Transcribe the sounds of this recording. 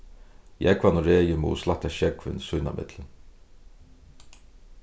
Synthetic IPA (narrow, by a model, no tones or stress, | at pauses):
jɛkvanɔɾeːjɪmṵːslaht̪aʃɛkvɪ̰nsujna̰mʔɪ̰t̪lɪn